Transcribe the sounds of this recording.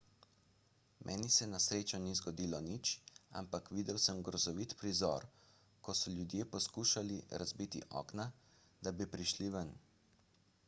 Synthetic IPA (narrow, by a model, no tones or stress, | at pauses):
mʔɛ̰ːnisɛnasɾeːt͡ʃɔnizɡɔd̪iːlɔnit͡ʃa̰mpakʋiːd̪ɛwsəmɡɾɔzɔʋiːt̪pɾizɔ̰ɾ | kɔsɔljud̪jeːpɔskuːʃaliɾazbit̪ḭʔɔ̰ːkna | d̪abipɾiʃliʋən